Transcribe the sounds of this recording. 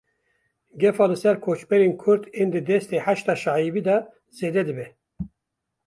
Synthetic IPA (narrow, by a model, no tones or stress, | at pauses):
ɡɛfɑːlɨsɛɾkʰoːt͡ʃbɛɾeːnkʰʊɾt̪eːnd̪ɨd̪ɛst̪eːħæʃt̪ɑʃɑːiviːd̪ɑ | z̥eːd̪ɛd̪ɨbɛ